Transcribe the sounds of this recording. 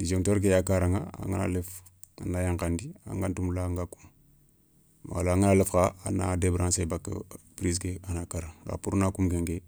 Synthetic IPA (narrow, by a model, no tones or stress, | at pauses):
did͡ʒektoɾkejakaɾaŋa̰a̰ŋɡana̰lef | anajaŋkandia̰ŋɡantumlaŋɡaku̥m | a̰laaŋanalefkaa̰na̰debɾansebakːpɾis̬keanakaɾaŋɾa̰puɾnakumɡeŋɡe